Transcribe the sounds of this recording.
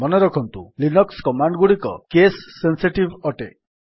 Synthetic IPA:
mɔnɔɾɔkʰɔnt̪ṵlinɔkskɔmaɳɖɡuɽikɔ̰kesːensiʈibɔʈḛ

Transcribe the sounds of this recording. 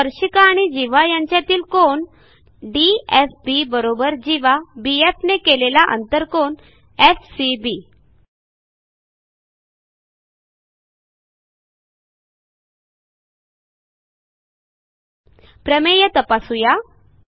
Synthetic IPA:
əɾɕikaːɽ̃id͡ʑiʋajaɲt͡ɕjat̪iːlkoɳ | ɖiefbibəɾobəɾd͡ʑiʋabiefnekelelaʔə̰nt̪əɾkon | efsibi | pɾəmejət̪əpasuja

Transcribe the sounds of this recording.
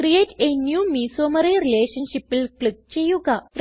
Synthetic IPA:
kɾijetenjumisoməɾeɾileɕənɕipilkləɡ̚t͡ɕejuɡʱaɾ

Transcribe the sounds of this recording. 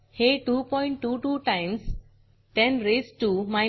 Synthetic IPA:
heʈuːpɔ̃ɪ̃ɳʈːuːʈuʈãɪ̃ms | ʈɛ̃nɾeːsʈumaɪ

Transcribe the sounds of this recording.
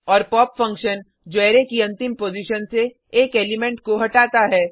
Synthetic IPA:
ɔːɾpɔːpfɐ̃ŋkʃən | d͡ʒɛːɾekiɐ̃nt̪ɪmpoːd͡ʒiʃənseː | keːlɪmɛ̃ɳʈkoɦɐʈaːt̪aɦɛː

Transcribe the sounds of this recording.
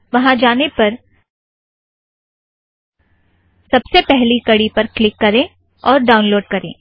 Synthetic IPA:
ʋɐɦãd͡ʒaːnepɐɾ | sɐbsepɛɦlikɐɽipɐɾklɪkːɐɾẽː | ɔːɾɖaːʊnloːɖ̚kɐɾḛ̃ː

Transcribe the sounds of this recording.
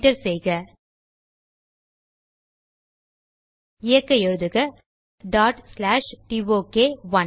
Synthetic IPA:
ʈɐɾsɛjɣɐ | ɪjɐkːɐɛɻɯðɯɣɐ | ɖaːʈslaːʂʈiʋoːkeːʋɐ

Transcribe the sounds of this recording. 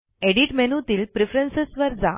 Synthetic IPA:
eɽiʈmenut̪iːlpɾifɾənsesʋəɾd͡za̰

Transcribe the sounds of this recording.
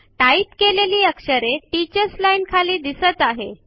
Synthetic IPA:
ʈaipkeleliːəkʂəɾeʈit͡ɕəɾslainkʰaliːd̪isət̪aɦe

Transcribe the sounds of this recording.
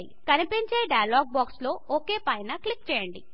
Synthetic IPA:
ikɐnipiɲt͡ʃe̞ːɖɐjɐlaːɡ̚baːkslo̞ːʔoːke̞ːpɐjnɐklik̚t͡ʃɛːjɐɳɖḭ

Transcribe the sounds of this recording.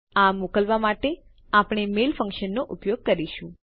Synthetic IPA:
amokəlʋamaʈe | apɳ̃emelfə̃ŋkʃənːoʔupjoɡ̚kəɾiʃũ

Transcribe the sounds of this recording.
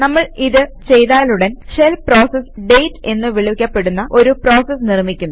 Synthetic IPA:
nɐmːɐɭiðɨt͡ɕe̞jðaːluɽenʂelpro̞ːsɐsɖe̞jtːe̞nːɨʋiɭukʲːɐpːe̞ɽunːɐʔo̞ɾupro̞ːsɐsnirmikʲːunː

